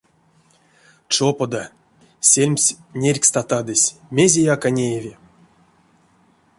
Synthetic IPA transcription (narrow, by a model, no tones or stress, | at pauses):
t͡ʂopod̪a | sʲelʲmʲsʲnʲerʲkst̪at̪ad̪ɨsʲmʲezʲejakanʲejevʲi